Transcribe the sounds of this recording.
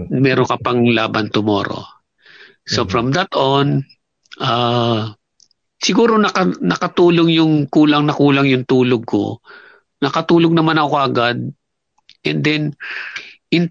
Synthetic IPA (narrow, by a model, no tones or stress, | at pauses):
mɛɾokɐpɐŋla̰ːbɐnt̪ʊmo̰ːɾo̰ | sofɹɐmd̪at̪on | ʔa | sɪɡuːɾo̞nɐkɐnɐkɐt̪uːloŋjʊŋkuːlɐŋnɐkuːlɐŋjʊŋt̪uːloɡ̚ko̰ | nɐkɐt̪uːloɡ̚nɐmanɐkokɐʔɐɡad̪̚ | ʔɛ̃nd̪ɛn | ʔɪn